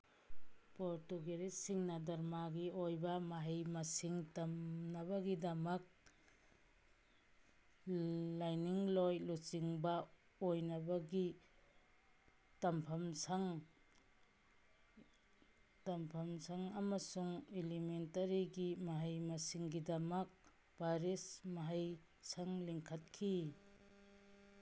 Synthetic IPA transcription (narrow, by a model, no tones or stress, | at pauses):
poɾtuɡeɾesiŋnɐdɐɾmaɡiojbɐmaɦijmɐsiŋtɐmnɐβɐɡidɐmɐk̚ | lajniŋlojlut͡ʃiŋbɐ | ojnɐbɐɡi | tɐmpʰɐmsʰaŋ | tɐmpʰɐmsʰaŋɐmɐsuŋelimentɐɾiɡimaɦajmɐsiŋɡidɐmɐk̚ | baɾesmaɦaj | sʰaŋliŋkʰɐt̚kʰi